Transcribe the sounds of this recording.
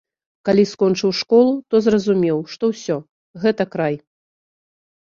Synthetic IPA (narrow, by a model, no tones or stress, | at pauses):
kalʲiskɔnt͡ʂɨwʂkɔlˠut̪ɔzrɐzumʲɛwʂt̪ɔwsʲɔ | ɣɛt̪ɐkɾaj